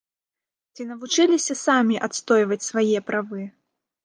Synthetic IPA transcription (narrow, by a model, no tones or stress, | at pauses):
t͡sʲinɐvut͡ʂɨlʲisʲɐsamʲiʔat̪st̪ɔjvɐt͡sʲsvajɛpɾʔavɨ